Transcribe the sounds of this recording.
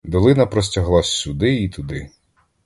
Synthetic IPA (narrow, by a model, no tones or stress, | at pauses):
d̪ɔlˠɪnɐpɾɔs̬ʲtʲɐɦlˠɑsʲːʊd̪ɪit̪ʊd̪ɪ